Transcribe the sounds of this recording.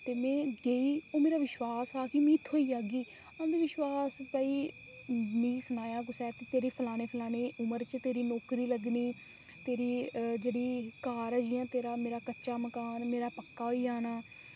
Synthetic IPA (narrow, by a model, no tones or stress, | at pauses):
t̪eːmɛ̃ːɡeːiːoːmeːɾaːʋɪʃwaːsɦaːkɪmĩːt̪ʰːoːiːaːɡiː | aːd̪iːʋɪʃwaːspaːiː | mĩːsənaːjãːɡʊsɛːt̪eːt̪eːɾeːpʰəlaːñeːpʰlaːneːʔʊməɾt͡ʃt̪eːɾiːnɔːkɾiːləɡniː | t̪eːɾiːd͡ʒeːɽiːkaːɾd͡ʒiːãːt̪eːɾaːmeːɾaːkətːʃaːməkaːnmeːɾaːpəkːaːɦoiːd͡ʒaːnaː